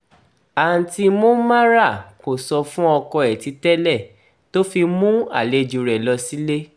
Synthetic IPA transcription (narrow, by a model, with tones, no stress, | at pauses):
a˨n̩˨ti˧mõ˦mã˦ɾa˦˨ko˨sɔ˧fũ˦ɔ˧kɔ˧ɛ˨ti˨˧˦tɛ˦lɛ˦˨ | to˦fi˧mũ˦a̰˦˨le˨˧d͡ʒu˨ɾɛ˨lɔ˧si˦le˦